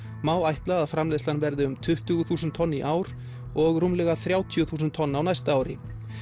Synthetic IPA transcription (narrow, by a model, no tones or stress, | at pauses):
maːwajht̪laaðfɾamlejslanvɛɾðɪʏmt̪ʰʏht̪ʏɣʏθuːsʏnt̪ʰːɔnːiʔaːwɾ | ɔɣɾumlɛɣaθɾjaːwt̪ʰijʏθuːs̬nt̪ʰːɔnːawnajst̪aaːwɾɪ̰